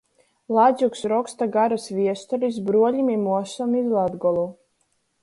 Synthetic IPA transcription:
lˠad̪zʲuksɾɔkst̪aɡaɾasvʲiɛst̪ɔɾis̬bɾuɔlʲimimuɔsɔmizlˠad̪ɡɔlˠuː

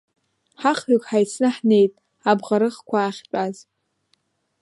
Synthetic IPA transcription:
ħaχokʲʼħajt͡sʰnɨħne̞jtʼ | abʁaɾɨχkʷʰaːχʲt͡pʷʼaz

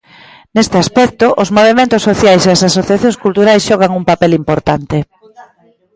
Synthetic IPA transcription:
nest̪easpɛk̚t̪ʊʔozmoβemẽnt̪ʊsoθjajseɐasasoθjaθjoŋskult̪uɾajsʃɔɣ̞aŋuŋpapɛlimpoɾt̪ant̪e

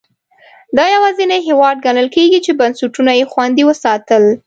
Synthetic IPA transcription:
d̪ɑjawɑzineɦewɑd̪̚ɡanəlkeɡit͡ʃebansuʈunajexwand̪iwəsɑt̪əl

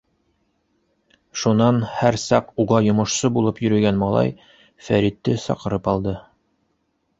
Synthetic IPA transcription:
ʃunɑnhæɾsɑquʁɑjŏmŏʃsɤbulˠɤpjɵ̆ɾɵ̆ɡænmɑlˠɑ̰j | fæɾit̪ːɘsɑ̰qɤ̆ɾɤpɑlˠd̪ɤ

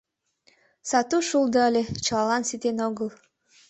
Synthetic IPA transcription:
sɑt̪uʃulˠd̪ɤɑlʲet͡ʃɑlˠɑlˠɑnsit̪enoɣəlˠ

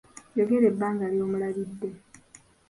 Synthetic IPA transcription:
joɡe̞ɾe̞bːaːŋɡaːljo̞ːmulaβidːe

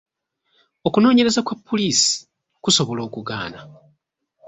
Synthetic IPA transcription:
o̞kuno̞ːɲe̞ɾe̞zakwapːoliːsi̥ | kuso̞βo̞lo̞ːkuɡa̰ːna

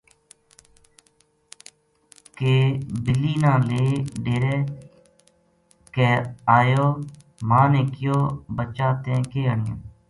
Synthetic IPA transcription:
keːbɪlːiːnãːleːɖeːɾeː | kɛːaːjoː | mãːnẽːkɪjoːbət͡ʃaːt̪ẽːkeːəɳɪã̰ː

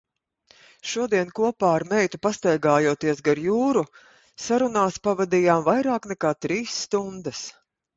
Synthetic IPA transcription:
ʃuɔd̪iɛnkuɔpaːaɾmɛjt̪upast̪ajɡaːjuɔt̪iɛsɡaɾjuːɾu | saɾunaːspavad̪ijaːmvajɾaːknɛkaːt̪ɾiːsːt̪und̪ɐs

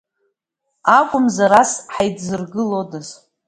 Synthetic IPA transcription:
akʷʼʊmzaɾasħajdzɨrɡɨlodɨz

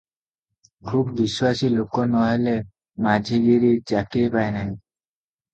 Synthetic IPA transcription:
kʰubbiswasilokɔnɔɦele | mad͡ʒʱiɡiɾid͡ʒakipajnaj

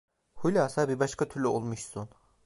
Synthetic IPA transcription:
hulʲaːsabibaʃkʰat̪ʰyɾlʲyolˠmuʃsun

